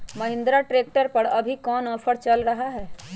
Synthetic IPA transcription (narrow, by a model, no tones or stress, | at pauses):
məɦɪ̃nd̪ɾaʈɾeːk̚ʈəɾpɐɾɐbʱikɔːnɔːpʰəɾt͡ʃɐlɾɐɦaɦɛː